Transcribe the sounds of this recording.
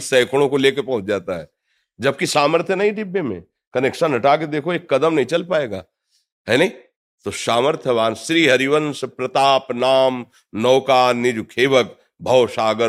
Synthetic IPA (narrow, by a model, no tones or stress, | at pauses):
sɐɪkʰɽ̃õkoleːkepɐ̃ɦʊ̃t͡ʃd͡ʒaːt̪aɦɛː | d͡ʒɐb̚kisaːməɾt̪ʰjənɐɦĩɖɪbːemḛ̃ | kɐnekʃənɐʈaːk̬ed̪eːkʰoeːkːɐd̪əmnɐɦĩt͡ʃɐlpaːeːɡa̰ː | ɦɛnɐɦĩ | t̪osaːməɾt̪ʰjəʋaːnsɾiːɦɐɾiʋənspɾɐt̪aːpnaːm | nɔːkaːnːɪd͡ʒukʰeːʋək̚ | bʱɐwʃaːɡə